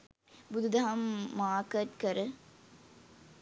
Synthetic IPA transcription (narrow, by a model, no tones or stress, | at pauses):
bud̪ʱud̪ɐɦɐmːaːkət̪kəɾə